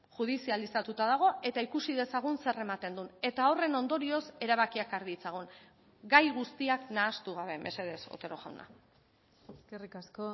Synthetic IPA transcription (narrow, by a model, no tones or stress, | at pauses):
ʝuð̞isialisat̪ut̪aðaɣ̞o̞e̞t̪aikusið̞e̞saɣ̞unse̞re̞mat̪e̞nd̪une̞t̪aore̞no̞nd̪o̞ɾio̞se̞ɾaβ̞akiakaɾðit͡saɣ̞on | ɡajɣust̪iaknaːst̪uɣ̞aβ̞e̞mʔe̞̰se̞ðe̞so̰t̪e̞ɾo̞ɣa̰wna̰ | eskerikasko